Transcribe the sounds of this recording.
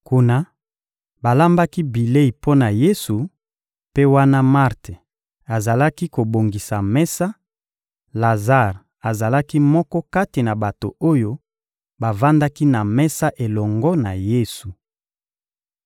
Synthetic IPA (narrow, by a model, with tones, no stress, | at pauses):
ku˨na˨ | ba˨la˦mba˦ki˦bi˨le˦i˨po˦na˨je˦su˨ | pe˦wa˦na˦ma˦ʁte˨ | a˨za˨la˦ki˦ko˨bo˨ŋɡi˨sa˨mɛ˦sa˦ | la˨za˦˨ʁ | a˨za˨la˦ki˦mɔ˦kɔ˦ka˦ti˨na˨ba˨to˨o˦jo˦ | ba˨va˦nda˦ki˦na˨mɛ˦sa˦ʔe˨lɔ˨ŋɡɔ˦na˨je˦su˨